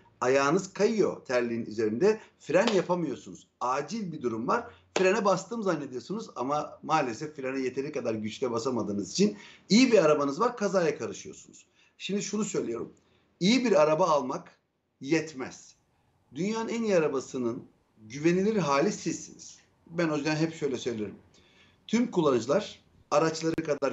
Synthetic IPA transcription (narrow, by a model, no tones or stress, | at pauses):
ajaːnɯz̥kʰajɯjo̞̰t̪ʰæɾlʲiːny̰ze̞ɾind̪ɛfɾanjapʰamɯjo̞ɾsunuz̥aːd͡ʒilʲbid̪uɾumvaɾ̥fiɾanɛbast̪ʰɯːmzanːe̞d̪ijo̞sunuza̰mamaːlʲesɛfːiɾanɛjet̪ʰe̞ɾikʰad̪aɾɟyt͡ʃlʲɛbasamad̪ɯːnɯzit͡ʃʰinijibiɾaɾabanɯzvaɾkʰazaːjakʰaɾɯʃɯjo̞̰sunṵz̥ | ʃimd̪iʃunusø̞jlʲejo̞̰ɾṵm | ijibiɾaɾabaːlˠmak | jɛt̪mɛ̰z̥ | d̪ynjaːnɯnænjaɾabasɯnɯn | ɟyve̞nilʲiɾiɦaːlʲisizsːḭnḭz̥ | bænozyanɦɛpʃø̞jlʲɛsø̞jlʲeɾḭm | t̪ʰymkʰulˠːand͡ʒɯlˠaɾ̥ | aɾat͡ʃlˠaɾɯkʰad̪aɾ